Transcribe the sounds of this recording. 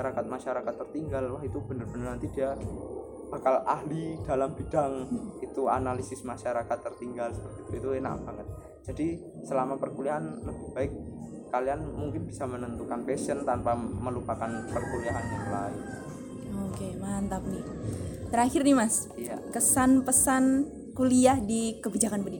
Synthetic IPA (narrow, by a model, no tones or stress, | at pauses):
aɾakat̪̚maʃaɾakat̪ːərt̪iŋɡalwaɦit̪ub̥ənərbənərnant̪idia | b̥akalaɦlid̥alambid̥aŋit̪ua̰nalisɪsmaʃaɾakat̪ːərt̪iŋɡalsə̥pərt̪iːt̪uit̪una̰ʔb̥aŋət̪̚ | d͡ʒ̥adi | səlamapərkuliaɦanləbihb̥aɪk̚ː | alianmuŋkɪnbisamənənt̪ukanpɛsənt̪anpaməlupakanpərkuliaɦanjaŋlaɪn | okemant̪ap̚nit̪əɾaxɪrnimas | ja̰kəsanpəsan | kuliahdikəbid͡ʒakanbədi